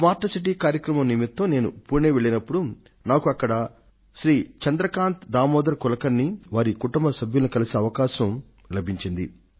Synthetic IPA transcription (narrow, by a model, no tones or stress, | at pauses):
maːɾʈːɐsiʈ̬iːkaːɾjɐkɾɐmɐmnimit̪ːɐne̞ːnṵpuːneːʋeɭːinɐpːuɽu | naːkuɐkːɐɽɐ | ʃɾiːt͡ʃɐnd̪ɾɐkaːnt̪d̪aːmɔːd̪ɐɾɐkulɐkɐnːiʋaːɾikuʈɐmbɐsɐbʱjulɐnikɐlisiɐʋɐkaːʃɐm | lɐbʱiɲt͡ʃind̪ḭ